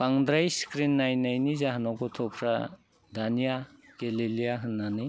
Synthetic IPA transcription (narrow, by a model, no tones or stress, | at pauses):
paŋd̪ɾajskɾinːajnajnizaɦanɔɡɔtʰɔpʰɾa | danijaɡelilijaɦɯnːani